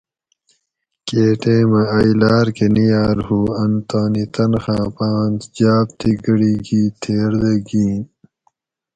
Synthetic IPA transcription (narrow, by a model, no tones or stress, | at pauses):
keːʈẽːmɐ̃ɐjlaːɾkenijaːɾhuːɐnt̪aːnit̪ɐnxãːpaːnt̪d͡ʑaːb̚t̪ʰiɡɐɽiːɡiːt̪ʰeːɾd̪eɡĩːn